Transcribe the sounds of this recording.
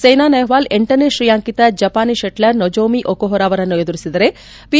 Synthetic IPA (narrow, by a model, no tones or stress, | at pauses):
sɐjnaːnɐjʋaːleɳʈɐneʃɾijaːŋkit̪ɐd͡ʒɐpaːniʃeʈlɐɾnod͡ʒoːmiʔokoɦoɾaːʋɐɾɐnːued̪uɾisid̪ɐɾe | pi